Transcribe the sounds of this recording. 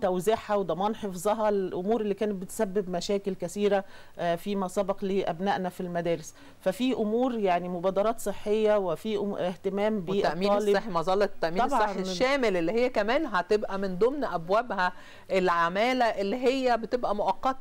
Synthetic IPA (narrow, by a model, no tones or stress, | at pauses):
t̪æwziħawed̪ˤɑmɑːnħefzˤɑɦɑlʔomuːɾelːiːkæːnet̪̚bet̪sæbːebmæʃæːkelkæθiːɾæ | fiːmæsˤɑbɑqliːʔæbnæʔnæfilmæd̪æːɾes | fæfiʔomuːɾjaʕnimobæːd̪ɑɾˤɑːt̪sˤeħːejːæwefiʔeht̪emæːmbiːʔ̪æʔmiːnɑːleeħmɑzˤɑlːet̪ːæʔmiːɑnsːeeʃːæːmelʔelːihejːækæmæːnɦæt̪ebʔæmend̪omnʔæbwæbhæ | ʔelʕamæːlæʔelːiɦejːæbet̪ebʔæmoʔɑqːɑt̪ɑ